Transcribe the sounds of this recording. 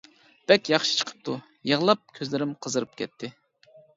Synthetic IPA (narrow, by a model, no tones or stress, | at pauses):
b̥ɛkʲjɑχʃi̥t͡ʃʰə̥qʰə̥p̚t̪ʰu | jəʁlˠɑp̚kʲʰøzlɪɾɪmqʰəzəɾɨp̚kʲɛt̪ʰːɪ